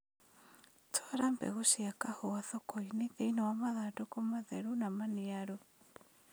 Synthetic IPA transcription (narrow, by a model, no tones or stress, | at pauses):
tʰɔaɾambɛ̰ɣusiakahoaθɔkɔineðeinawamaðadokomaðɛɾunamaniaɾu